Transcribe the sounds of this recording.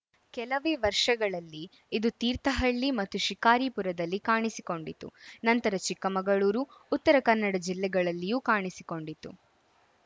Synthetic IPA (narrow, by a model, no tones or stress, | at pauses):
kɛlɐʋeːʋɐɾʂɐɡɐɭɐlːiː | d̪ut̪iːɾt̪ɐɦɐɭːimɐt̪ːuʃikaːɾiːpuɾɐd̪ɐlːikaːɳisiko̞ɳɖit̪ːṵnɐnt̪ɐɾɐt͡ʃikːɐmɐɡɐɭuːɾuːt̪ːɐɾɐkɐnːɐɽɐd͡ʒilːɛɡɐɭɐlːijuːkaːɳisiko̞ɳɖit̪ːṵ